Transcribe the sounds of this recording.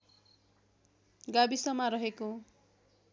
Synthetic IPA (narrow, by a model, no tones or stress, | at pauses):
ɡabisʌmaɾʌɦeko